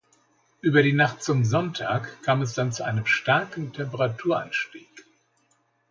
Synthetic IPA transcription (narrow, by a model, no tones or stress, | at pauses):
ʔyːbɐɾiːnaχt̚t͡sʊmzɔntʰa̰ːkʰːaːmɛs̬d̥ant͡suʔa̰ɪnəmʃtaɐkn̩tʰɛmpəʁatʰuːɐʔa̰nʃtiːk